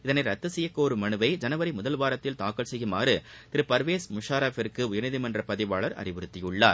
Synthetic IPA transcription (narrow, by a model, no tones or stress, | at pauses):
ɪðɐnɐɪɾɐt̪ːɯsɛjɐkːoːɾɯmɐnɯʋɐɪd͡ʒɐnɐʋɐɾɪmʊðɐlʋaːɾɐt̪ːɪlt̪aːkɐlsɛjːɯmaːrɯ | t̪ɪɾɯpɐɾʋeːsmʊʂaːɾaːfɪɾkːɯʊjɐnɪðɪmɐndrɐpɐðɪʋaːɭɐɾɐ̰rɪʋɯɾɯt̪ːɪjɯɭːa̰ːɾ